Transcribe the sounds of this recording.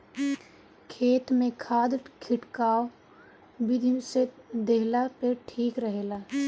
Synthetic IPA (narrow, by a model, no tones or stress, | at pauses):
kʰeːt̪mẽkʰaːd̪kʰɪʈkaːo | bɪd̪ʱised̪eɦlapeʈʰiːkɾəɦeːlaː